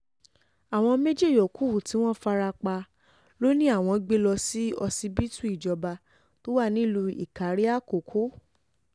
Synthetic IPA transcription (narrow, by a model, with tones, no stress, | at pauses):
a˨w̃ɔ̃˧me˦d͡ʒe˦˨jɔ˨ku˨˦u˨ti˨˦w̃ɔ̃˦fa˧ɾa˧k͡pa˧ | lo˦nĩ˦a˦˨w̃ɔ̃˧ɡ͡be˦lɔ˧si˦ɔ˧si˧bi˦tu˦i˦˨d͡ʒɔ˧ba˧ | to˦wa˦˨nĩ˦lu˧ḭ˦˨ka˨˦ɾi˦a˦˨ko˨kʰo˨˦